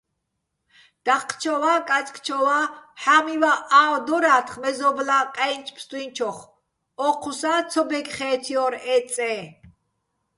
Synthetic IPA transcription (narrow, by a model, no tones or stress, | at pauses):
d̪̥aχqʰːt͡ʃʰɔwakʼat͡sʼkʰʼt͡ʃʰɔwaħamivaʔad̪ɔɾaːt̪ʰχmɛzɔblaqʼɛjnt͡ʃʰpʰst̪ʼwint͡ʃʰɔχ | ɔqʰusat͡sʰɔbɛkχɛːt̪ʰiɔɾɛt͡sʼɛ